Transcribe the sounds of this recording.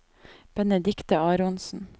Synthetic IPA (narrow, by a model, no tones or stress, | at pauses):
b̥ɛnɛd̪ɪkt̪əɑːɾʊnsn̩